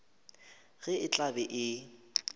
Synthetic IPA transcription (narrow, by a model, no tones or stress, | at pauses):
ɣɛɪt͡ɬʼabɛʔɪ